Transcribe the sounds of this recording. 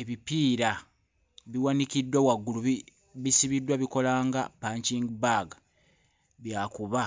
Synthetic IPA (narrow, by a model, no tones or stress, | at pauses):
e̞βipiːɾa | βiwanikidːwawaɡːuluβi | βisiβidːwaβiko̞laːŋɡapaɲciːŋɡibaːɡa | βjaːkuβa